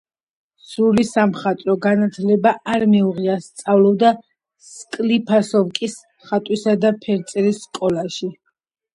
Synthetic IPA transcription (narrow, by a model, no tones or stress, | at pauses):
sulisamχat̪ʼɾɔɡanat̪ʰlɛbaaɾmɛuʁiast̪sʼavlˠɔbd̪a | skʼlipʰasɔvkʼis | χat̪ʼwisad̪apʰɛɾt̪sʼɛɾisːkʼɔlaʃi